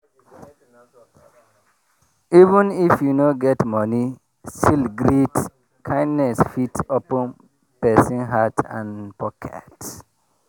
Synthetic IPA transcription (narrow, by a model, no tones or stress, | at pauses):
ivə̃nifjunoɡɛtmʌni | stilɡɾit | kʰãɪ̃ndnɛsfitɔpə̃n | pesĩŋɦatʰã̰npɔkʰɛ̰t